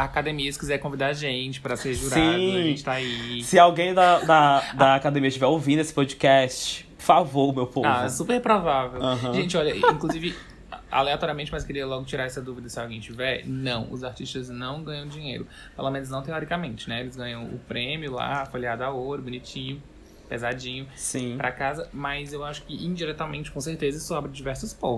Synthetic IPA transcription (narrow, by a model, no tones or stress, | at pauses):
akad̪ẽmiɐsɪ̥kizɛɾkõvid̪aɾʒẽt͡ʃɪ̥pɾɐseɾʒuɾaĩʒẽt͡ʃɪt̪aisɪawɡẽj̃d̪ɐd̪ɐd̪ɐːkad̪ẽmiɐt͡ʃivɛɾowvĩd̪ʊesɪ̥pod͡ʒikɛst͡ʃɪ̥ | favomewpoavɛsupehpɾovavewɐ̃ɦɐ̃ʒẽnt͡ʃɪɔʎɐĩŋkluzivɪ | a̰leat̪ɔɾiɐmẽnt͡ʃɪmɐskeɾiɐlɔɡʊt͡ʃiɾaɾɛsɐd̪uvid̪ɐsɪawɡẽj̃t͡ʃivɛɾnɐ̃w̃ʊ̰zaɾt͡ʃiʃt̪ɐznɐ̃w̃ɡɐ̃ɲɐ̃w̃d͡ʒĩɲḛjɾʊ | pelomẽnʊznɐ̃w̃t̪̬eɔɾikɐmẽnt͡ʃɪnɛelɪzɡɐ̃ɲɐ̃w̃ʊ̰pɾẽmjʊla̰afoʎiad̪ʊaot̪ɾʊbunit͡ʃĩɲʊ | pezad͡ʒĩɲʊsĩpɾʔɐ̰kazɐmɐzewaʃʊ̥kɪʔĩd͡ʒiɾɛt̪amẽnt͡ʃɪ̥kõs̬eɾt̪ezɐsɔabɾɪd͡ʒivɛɾsʊspõ